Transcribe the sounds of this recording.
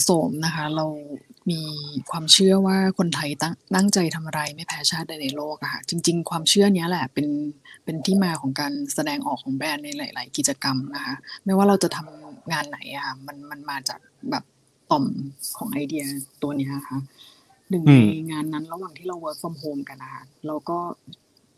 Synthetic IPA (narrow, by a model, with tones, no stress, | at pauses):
soː˩˦mna˦˥kʰa˦˥ɾa˧wmiː˧kʰwaː˧mt͡ɕʰɯ˥˩ɐwaː˥˩kʰo˧nt̪ʰa˧jt̪a˥t̪a˥˩ŋt͡ɕa˧jt̪ʰa˧mʔa˧ɾa˧jma˥˩jpʰɛː˦˥t͡ɕʰaː˥˩t̪̚da˧jna˧jloː˥˩k̚ʔa˧˩kʰa̰˧˩t͡ɕi˧ŋt͡ɕi˧ŋkʰwaː˧mt͡ɕʰɯ˥˩ɐni˦˥ɐlɛ˨˩pe˧npe˧nt̪ʰiː˥˩maː˧kʰɔː˩˦ŋkaː˧nsa˧dɛː˧ŋʔɔː˨˩kʰːɔː˩˦ŋbɛː˧˩nːa˧jlaː˨˩˦jla̰ː˩˦jki˨˩t̪̚t͡ɕa˧ka˧mna˦˥kʰa˦˥ma˥˩jwaː˥˩ɾa˧wt͡ɕa˨˩t̪ʰa˧mŋaː˧nːa˩˦jʔa˧˩kʰa˥˩ma˧nma˧nmaː˧t͡ɕa̰ː˨˩k̚bɛː˨˩p̚ | t̪ɔ˨˩mkʰɔː˩˦ŋʔa˧jdi˧ɐt̪u˧ɐni˦˥ɐʔa˧˩kʰa˦˥ | dɯ˨˩ŋna˨˧jjŋaː˧nːa˦˥nɾa˧waː˨˩ŋt̪ʰiː˥˩ɾa˧wːəː˦˥k̚wa˧mɦoː˧mka˧nʔa˧˩kʰa˧˩ɾa˧wkɔː˥˩